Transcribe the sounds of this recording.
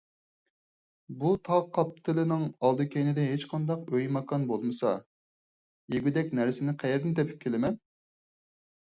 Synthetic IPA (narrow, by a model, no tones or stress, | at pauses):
but̪ʰɑqʰːɑpt̪ʰɪlɪnɪŋɑlˠd̪ɨkʲʰejnɪd̪ɪɦet͡ʃqʰɑnd̪ɑqøjmɑkʰɑnbolˠmɨsɑ̰ | jeɡʲyd̪ɛkʲnæɾsɪnɪqʰæjɛɾd̪ɪnt̪ʰɛpʰy̥p̚kʲʰelɪmɛn